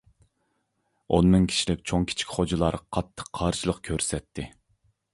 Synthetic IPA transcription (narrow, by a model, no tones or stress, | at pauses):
o̰nmɪŋkʲʰi̥ʃilɪkʲt͡ʃʰoŋkʲʰi̥t͡ʃʰi̥kʲχod͡ʒilˠɑɾqʰɑt̪ʰːə̥qʰːɑɾʃɨlˠəqkʲʰøɾsɛt̪ʰːɪ